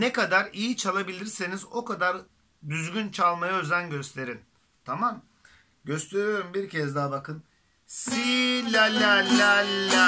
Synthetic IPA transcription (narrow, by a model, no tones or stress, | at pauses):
nekad̪aɾijit͡ʃʰalˠabilʲiɾsinizo̞kad̪aɾ | d̪yzɟynt͡ʃʰalˠmajaøzænɟø̞st̪ʰe̞ɾin | t̪ʰamam | ɟø̞st̪ʰe̞ɾyjo̞ɾumbiɾcʰɛzd̪abakɯn | silʲalʲalalːa